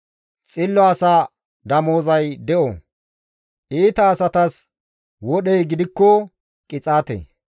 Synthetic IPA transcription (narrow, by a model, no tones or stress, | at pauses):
t͡sʼɪlːɔɐsa | d̪ɐmoːzɐjd̪ɛʔɔ̰ | ʔiːt̪ɐːsɐt̪ɐs | wɔɗɛjɡɪd̪ɪkːɔ | kʼɪt͡sʼaːt̪ḛ